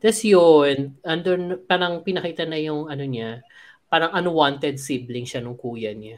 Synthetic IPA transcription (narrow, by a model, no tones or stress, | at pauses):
t̪ɛsjonʔɐnd̪onpaːɾɐŋpɪnɐkiːt̪ɐnɐjʊŋɐnoɲa | paːɾɐŋʔɐnwant̪ɛd̪̚siblɪŋʃanʊŋkuːjɐɲa